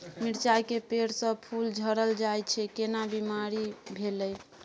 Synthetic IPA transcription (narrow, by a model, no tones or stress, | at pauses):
miɾt͡ʃajkepeɽsə̃pʰuld͡ʒʱəɾəld͡ʒajt͡ʃʰɛkenabimaɾibʱeləj